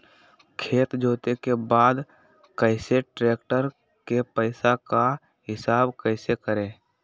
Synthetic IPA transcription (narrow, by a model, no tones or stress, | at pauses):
kʰeːt̪d͡ʒoːt̪ekebaːd̪ | kəɪseʈɾeːkʈəɾ | kepɛɪsaka | ɦɪsaːbkɛɪsekəɾẽː